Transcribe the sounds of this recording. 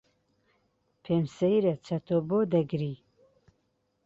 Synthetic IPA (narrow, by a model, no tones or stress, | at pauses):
pʰeːmsejɾɐt͡ʃʰɐt̪ʰoboːd̪ɐɡɾiː